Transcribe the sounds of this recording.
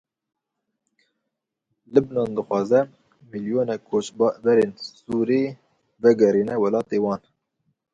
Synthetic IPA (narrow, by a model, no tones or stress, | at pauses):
lɨbnɑːnd̪ɨxʷɑːzɛ | miljoːnɛkʰoːt͡ʃbbɛɾeːnsuːɾeː | vɛɡɛɾiːnɛwɛlɑːt̪eːwɑːn